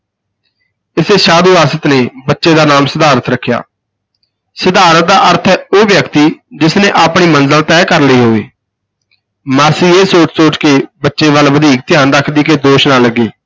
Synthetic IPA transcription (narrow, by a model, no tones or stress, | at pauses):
ɪseːʃaːd̪uːaːsət̪neːbətːʃeːd̪aːnaːmsəd̪aːɾət̪ɾəkʰːja̰ː | səd̪aːɾət̪̚d̪aːʔəɾt̪ʰɛːoːʋjəkt̪iːd͡ʒɪsnẽːʔaːpɳiːmənzəlt̪ɛːkəɾləiːɦoːḛː | maːsiːeːsoːt͡ʃsoːt͡ʃkeːbətːʃeːʋəlʋəd̪iːk̚t̪ɪjaːnɾəkʰd̪iːkeːd̪oːʃnaːləɡːeː